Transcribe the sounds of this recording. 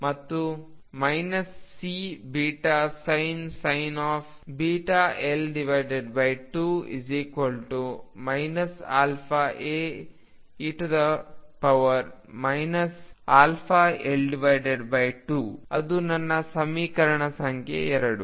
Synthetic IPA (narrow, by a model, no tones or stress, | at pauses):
mɐt̪ːumɐjnɐsːibiːʈasɐjnsɐjnaːf | biːʈaːʔelɖiʋɐjɖeɖbɐjʈuːḭziːkʋɐlʈumɐjnɐsa̰ːlpʰaʔe | iʈud̪ɐpɐʋɐɾ | mɐjnɐsaːlpʰaːelɖiʋɐjɖeɖbɐjʈuːɐd̪unɐnːɐsɐmiːkɐɾɐɳɐsɐŋkʰjḛɛɾɐɽṵ